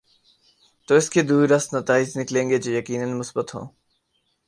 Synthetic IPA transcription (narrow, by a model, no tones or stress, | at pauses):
t̪oːɪsked̪uːɾəst̪nɐt̪aːɪd͡ʒnɪklẽːŋɡed͡ʒejɐkiːnənmʊsbət̪ɦõ̰ː